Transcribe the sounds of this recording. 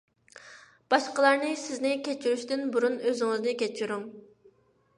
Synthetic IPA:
b̥ɑʃqəlˠɑɾnɨsɪznɪkʲʰet͡ʃʰiɾyʃt̪ɪnbuɾunøzɪŋɪznɪkʲʰɛt͡ʃʰiɾuŋ

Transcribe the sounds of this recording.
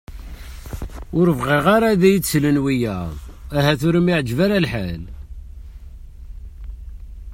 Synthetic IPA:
ʊɾəvʁiʁaɾaðæjət͡sːlənwijæðˤæɦæθʊɾəmiʕəd͡ʒvæɾalħal

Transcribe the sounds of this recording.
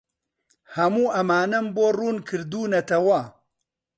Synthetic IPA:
hɐmuːʔɐmaːnɐmboːruːnkʰɨɾd̪uːnɐt̪ʰɐwɐ

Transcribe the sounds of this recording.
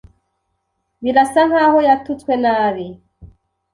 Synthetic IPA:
βilasaŋahɔjatutwɛnaːβi

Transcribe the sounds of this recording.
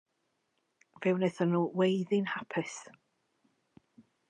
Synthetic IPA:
vɪwnɛθənuːwejðɪnhapʰɪs

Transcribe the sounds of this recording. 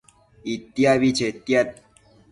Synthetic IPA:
it̪jaʋit͡ʃʰet̪jat̪̚

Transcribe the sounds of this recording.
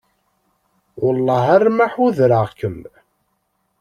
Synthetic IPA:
wʊlˤːɑɦærmaħuðɾəʁkəm

